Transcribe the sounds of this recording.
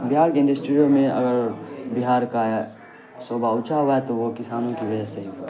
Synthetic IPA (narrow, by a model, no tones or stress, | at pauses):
bɪɦaːɾkeɪ̃nd̪isʈuɾijomẽɐ̰ɡəɾbɪɦaːɾka | soːbaʊt͡ʃʰaʋaet̪oʋokɪsaːnõkibɐd͡ʒɛseɦ